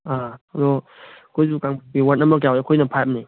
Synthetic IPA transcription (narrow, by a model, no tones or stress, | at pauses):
ad̪ɔ | kʰojzukaŋbpiwatnːɐmbɐɾk̬jawekʰojnɐpʰajam̚ni